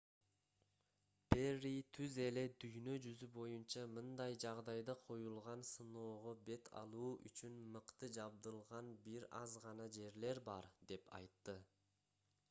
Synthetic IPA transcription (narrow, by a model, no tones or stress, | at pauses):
perːit̪ʰyze̞le̞d̪yjnø̞d͡ʒyzybo̞junt͡ʃɑmɯnd̪ɑjd͡ʒɑʁd̪ɑjd̪ɑqʰo̞julˠʁɑnsɯno̞ːʁobe̞t̪ʰɑ̰lˠuːʔy̰t͡ʃynmɯqt̪ɯd͡ʒɑbd̪ɯlˠʁɑnbiɾɑzʁɑnɑd͡ʒe̞ɾle̞ɾbɑɾd̪e̞pɑ̰jt̪ːɯ